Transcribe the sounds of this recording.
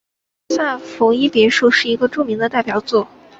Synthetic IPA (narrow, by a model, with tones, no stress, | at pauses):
sa˥˩nfʊ˧˥ŋi˥pjɛ˧˥ʂu˥˧ʂɻ̩˥˩i˧˥ɡə˧ʈ͡ʂu˥˩mi˧˥ŋd̪ə˧t̪a˥˩ɪpjɑ˨˩ʊt͡swɔ˥˩